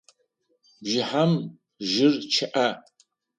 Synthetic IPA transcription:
bʒɪħam | ʒɪrt͡ʃʰaʔa

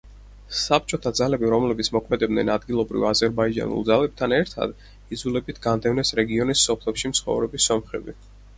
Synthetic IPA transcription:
sap̚t͡ʃʼɔt̪ʰad̪zalɛbiɾɔmlɛbit̪sʰmɔkʰmɛd̪ɛbd̪nɛnad̪ɡilˠɔbɾḭvazɛɾbaid͡ʒa̰nṵlˠd̪zalɛb̚t̪ʰanɛɾt̪ʰa̰d̪̥ | id̪zulɛbit̪ʰɡand̪ɛvnɛsɾɛɡiɔnisɔpʰlɛpʃimt̪sʰχɔ̰vɾɛbisɔmχɛbi

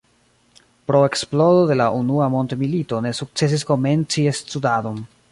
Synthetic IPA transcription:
pɾo̞e̞ksplodo̞de̞laʔunuamo̞ntmilito̞ne̞suk̚t͡se̞s̬isko̞me̞nt͡siest͡sudado̞n

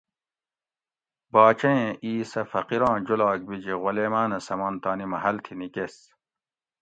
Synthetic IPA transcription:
bɑːt͡ɕɐẽʔiːsɐfɐqiɾɑ̃ːd͡ʑulɑːk̚bid͡ʑiʁoleːmaːnɐsɐmɐːnt̪aːnimɐɦɐlt̪ʰinikes

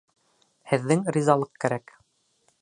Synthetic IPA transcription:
hɘ̆ðːɘŋɾʲizɑlˠɤqkæɾæk

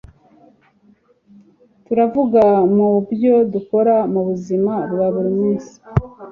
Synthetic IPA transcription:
tuɾavuɡamubjo̞duko̞ɾamuβuzimaɾwaβuɾimiːnsi̥

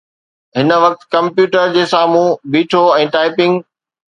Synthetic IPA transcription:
ɦɪnə̆ʋɐk̚t̪kɐ̃mpjuːʈəɾd͡ʑeːsaːmũbiːʈʰoɛ̃ːʈaːɪpɪ̃ŋɡ

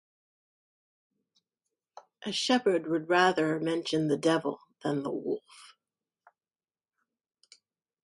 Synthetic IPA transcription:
ʔɨʃɛpə˞d̚wəd̚ɹæðə˞mɛ̃nʃɨ̃nðɨdɛv̰l̩ˠðə̃nðə̰wʊ̰lˠf

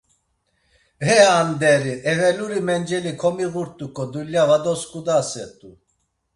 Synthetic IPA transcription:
ɦɛand̪ɛɾiʔɛvɛluɾimɛnd͡ʒɛlikʰɔmiɣuɾt̪ʼukʼɔd̪uljavad̪ɔskʼud̪asɛt̪ʼu

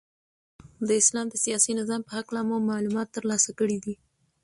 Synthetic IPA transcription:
d̪əɪslɑmd̪əsijɑsinɪzɑmpəhaklamumɑlumɑt̪ːəɾlɑsakəɽid̪i

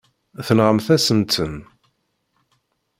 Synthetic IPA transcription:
θənʁəmθæsənt̪ən

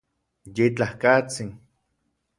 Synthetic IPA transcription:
jet͡ɬahkat͡siŋ

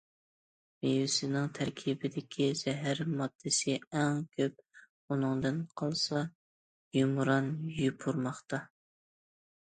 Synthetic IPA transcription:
mewɪsɪnɪŋt̪ʰæɾkʲʰibɪd̪ɪkʲʰiz̥ɛɦæɾmɑd̪̥ːɨsɪɛŋkʲʰøp̚ | unɨŋd̪ɨnqʰɑlˠsɑ | jumɾɑnjypʰuɾmɑχt̪ɑ

